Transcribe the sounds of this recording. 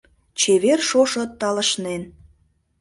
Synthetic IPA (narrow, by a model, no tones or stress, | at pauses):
t͡ɕeβerʃoʃə̆t̪ːɑləʃnen